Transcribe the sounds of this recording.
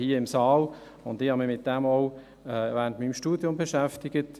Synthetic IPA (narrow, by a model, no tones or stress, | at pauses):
hiːəɪmsɑːl | ʊnd̪ɪhɑmɪmɪt̚d̥ɛmoʊ | ɛʋæːəntmimʃtuːd̥jʊmbəʃæftɪɡ̥ət